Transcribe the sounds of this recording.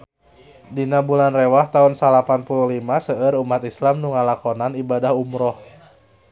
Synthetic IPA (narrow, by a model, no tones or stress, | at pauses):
dinabulanrewaht̪aunsalapanpuluhlimasəəɾumat̪islamnuŋalakɔnanibadahumɾɔh